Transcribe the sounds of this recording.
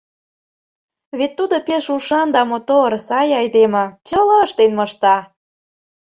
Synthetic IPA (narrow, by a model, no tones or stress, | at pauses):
βet̪ːud̪opeʃuʃɑnd̪ɑmot̪oɾsɑjɑjd̪emɤ̆t͡ɕəlɤ̆əʃt̪enmɤ̆ʃt̪ɑ